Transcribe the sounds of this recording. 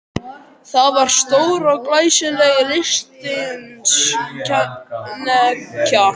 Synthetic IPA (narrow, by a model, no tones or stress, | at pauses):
θaðvaɾ̥st̪oːwɾɔɣklaːjsʏlɛɣɪlɪst̪ɪnsʰ | nɛcʰa